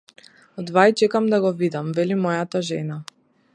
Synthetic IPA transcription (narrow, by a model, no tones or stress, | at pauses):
ɔd̪vajt͡ʃɛkamd̪aɡɔvid̪amvɛlimɔjat̪aʒɛna